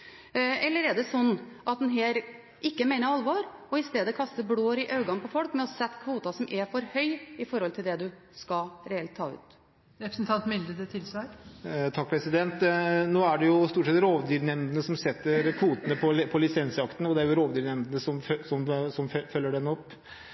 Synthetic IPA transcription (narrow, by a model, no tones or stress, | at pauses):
ɛlːəɾɛɖ̪ɛsɔnːɑt̪̚d̪ɛnɦeːɾ | ɪkːəmeɪnəɾɑlʋɑɾɔɪst̪eːd̪əɔkʰɑst̪əbloːɾɪʔɑʉɡɑnpʰɔfɔlkmɛɔsɛt̪ːkʰʋuːt̪ɑsɔmʔɛfɔɾhœʏɪfɔɾhɔlt̪ʰɪld̪ɛd̪ʉ | skɑɾɛɛlt̪ʰːɑ̰ːʉ̰ːt̪ | ɾɛpɾəsn̩t̪ʰɑnt̪mɪld̪əd̪ət̪ʰɪlsʋæɪt̪ʰɑk̚pʰɾɛsɪd̪ɛnt̪noːæɖɛjʊst̪uːʈʂɛt̪ɾoːʋd̪yːɾnɛmd̪ənəsɔmsɛt̪ːəɾkʰʋuːt̪ənəpʰɔpʰɔlɪsɛnsɑkt̪ən̩ɔd̪ɛæɾjʊɾoːʋd̪yːɾnɛmd̪ənəsɔmfsɔmsɔmfœlːəɖɛnːɔpː